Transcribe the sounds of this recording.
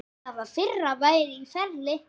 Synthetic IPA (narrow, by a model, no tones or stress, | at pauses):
avafɪrːavaːjɾɪifɛɾlɪ